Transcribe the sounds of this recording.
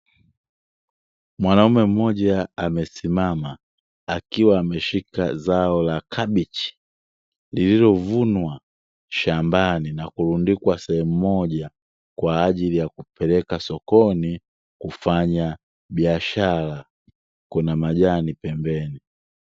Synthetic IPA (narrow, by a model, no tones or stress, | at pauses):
mwanaumɛm̩mɔʄaamɛsimama | akiwaːmɛʃikazaɔlakʰabit͡ʃi̥ | lililɔvunwa | ʃambaninakulundikwasɛhɛm̩mɔʄa | kwaːʄilijakupɛlɛkasɔkɔni | kufaɲa | biaʃala | kunamaʄanipɛmbɛni